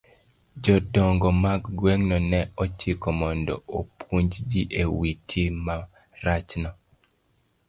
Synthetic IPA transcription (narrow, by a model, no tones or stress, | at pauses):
d͡ʒɔdɔŋɡɔmaɡɡweŋnɔnɛɔt͡ʃikɔmɔndɔ̰opʰuɲd͡ʒd͡ʒiʔewitʰima | ɾat͡ʃnɔ